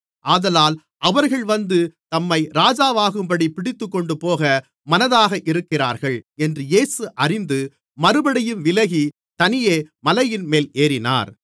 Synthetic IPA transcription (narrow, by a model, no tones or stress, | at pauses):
ʔaːðɐlaːl | ʔɐʋɐɾɣɐɭʋɐnd̪ɯt̪ɐmːɐɪɾaːd͡ʒaːʋaːɣɯmbɐɽipɪɽɪt̪ːɯkːɔɳɖɯpoːɣɐ | mɐnɐðaːɣɐʔɪɾɯkːɪra̰ːɾɣɐɭɛndrɯjeːsɯʔɐrɪnd̪ɯ | mɐɾɯbɐɽɐjɯmʋɪlɐɣi | t̪ɐnɪjeːmɐlɐjɪnmeːleːɾɪna̰ːɾ